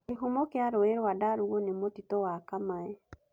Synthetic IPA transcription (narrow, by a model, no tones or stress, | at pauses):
eɦomokeaɾoeɾwadaɾuɣonemotitowakamaɛ